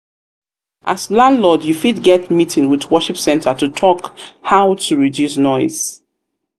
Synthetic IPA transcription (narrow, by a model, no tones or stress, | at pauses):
ʔa̰slãndlɔdjufidɡɛtmitʰɪ̃ŋwɪðwɜʃipsɛ̃ntʰətutʰɔkhaʊtʰuɹidjusnɔɪz̥